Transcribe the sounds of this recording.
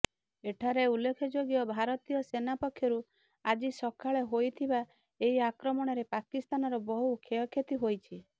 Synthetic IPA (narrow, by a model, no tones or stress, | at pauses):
eʈʰaɾeulːekʰɔd͡ʒoɡijɔbʱaɾɔt̪ijɔsenapɔkʰjɔɾu | ad͡ʒisɔkʰaɭeɦojt̪ʰiba | eɦiakɾɔmɔɽ̃ɔɾepakist̪anɔɾɔbɔɦukʰeɔkʰjet̪iɦojt͡ʃʰi